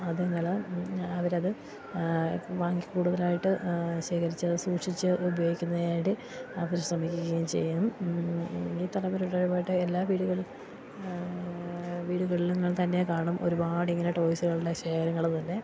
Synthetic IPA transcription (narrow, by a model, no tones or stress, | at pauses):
ɐðenːɐlɐɐʋɐɾɐðɨ | ʋaːŋɡikːuːɽuðɐlaːjiʈːɨɕeːkɐɾit͡ɕːɐsuːʈʂit͡ɕːɨʔubɐjoːɡikʲːunːɐðeːɖi | ɐʋɐɾɕrɐmikʲːukːɐjumt͡ɕe̞̰jːum | iːt̪ɐlɐmɐɾuɭːɐɻubaːjiʈːɨelːaːʋiːɽuɣɐɭ | ʋiːɽuɣɐɭiluŋːɐɭt̪ɐnːe̞kaːɳɐmʔo̞ɾubaːɽiŋːɐneʈo̞ːjisuɣɐɭuɭːɐɕe̞ːkɐɾɐŋːɐɭt̪ɐnːe̞